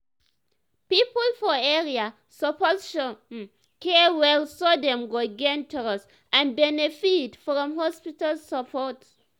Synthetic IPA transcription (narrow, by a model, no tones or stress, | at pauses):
pipəlfɔɛɹia | sɔpɔʃɔ | kɛwɛlsɔdɛ̃mɡoɡɛ̃ntʰuɹas | ʔãnbɛnefitfɹɔ̃mhɔspitalsəpʰɔt